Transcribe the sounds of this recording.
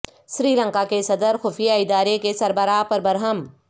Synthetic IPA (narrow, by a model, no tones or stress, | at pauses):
sɾiːlə̃ŋkakesɐd̪əɾxʊfijaɪd̪aːɾekesɐɾbəɾaːpɐɾbɐɾɦəm